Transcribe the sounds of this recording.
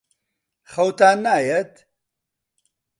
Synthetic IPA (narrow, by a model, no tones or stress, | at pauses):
χɐwt̪aːnːaːjɛt̪